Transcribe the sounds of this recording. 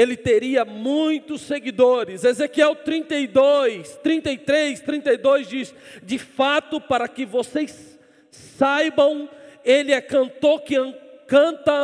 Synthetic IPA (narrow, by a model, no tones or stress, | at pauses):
elɪt̪eɾiɐmũj̃t̪ʊsːeɡid̪oɾɪzezekiɛwt̪ɾĩnt̪ejd̪ojst̪ɾĩnt̪ejt̪ɾejst̪ɾĩnt̪ejd̪ojzd͡ʒisd͡ʒɪfat̪ʊpaɾɐkɪvosejs | sajbɐ̃w̃elɪakɐ̃nt̪okɪɐ̃kɐ̃t̪ɐ